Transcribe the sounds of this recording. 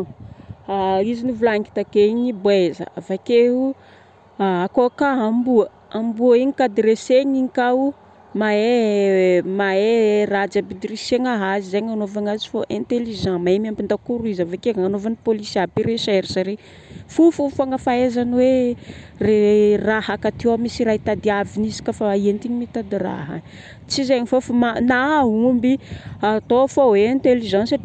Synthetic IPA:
aizinivulaŋki̥t̪akeɲibwezə̰avakeɦu | aakokaɦambuə | ambuəiɲikad̪ɾeseɲiɲikau | mae | maerad͡ʒabid̪riseŋaɦazizeɲanovaŋazi̥foʔɛ̃nt̪eliʒãmaemampind̪akuɾuizavakeanovanipolisiapiɾeʃeɾisaɾe | fufufaŋəfaezaniwe | rerahakat̪ewamisiɾaɦit̪ad̪iavinizi̥kʲəfaient̪iɲimit̪ad̪ira̰ɦa̰ | t͡sizeɲifofamanaɦaɦumbiat̪ofoẽnt̪eliʒãnsaʈ͡ʂi

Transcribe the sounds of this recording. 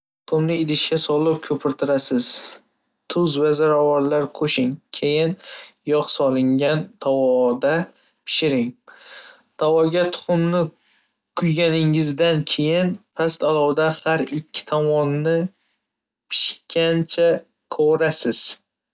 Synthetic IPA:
t̪ʊqʰʊmnɪɪd̪ɪʃkʲasɒlɪp̚kʲʰɵpʰɪɾt̪ʰɪɾasɪz̥ | t̪ʰʊzvazaɾɒwaɾlaɾkʰoʃɪŋkʲʰejɪnjɒqsɒlɪŋɡʲant̪ʰawɒd̪a | pʰɪ̥ʃɪɾɪŋ | t̪ʰawɒɡʲat̪ʰʊ̥χʊmnɪ | kʰʊjɡʲanɪŋɪzd̪ankʲʰe̞jɪnpʰast̪alˠɒwd̪ahaɾɪkʲʰːɪ̥t̪ʰɒmɒnːɪ | pʰɪ̥ʃkʲʰant͡ʃʰa | kʰoɾasɪz̥

